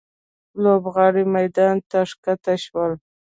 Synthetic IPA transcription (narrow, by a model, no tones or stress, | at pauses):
lobɣɑɽimajd̪ɑnt̪aʂkat̪aʃwəl